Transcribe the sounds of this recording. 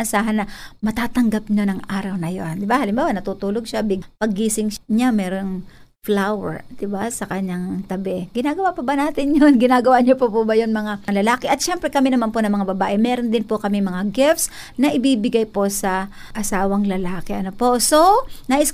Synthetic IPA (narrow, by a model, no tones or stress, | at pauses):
ʔɐsaːɦɐnːɐmɐt̪aːt̪ɐŋɡapɲonɐŋʔaːɾɐwnɐjond̪ɪbahɐlɪmbaːwɐnɐt̪uːt̪uːloɡʃabɪɡpɐɡːiːsɪŋɲamɛːɾo̞n | flawɛ̰ɹd̪̥ɪbasɐkɐɲːaŋt̪ɐbɛɡɪnaːɡɐwapɐbɐnaːt̪ɪnjonɡɪnaːɡɐwaɲopopobɐjonmɐŋalɐlaːkɛʔɐt̪̚ʃɛmpɾɛkɐmɛnɐmanponɐŋmɐŋabɐbaːʔɛmɛːɾond̪ɪnpokɐmɪŋmɐŋaɡɪfs | nɐʔɪbiːbɪɡajpo̞sɐʔɐsaːwɐŋlɐlaːkɛʔɐnopo̞so̞nɐʔɪs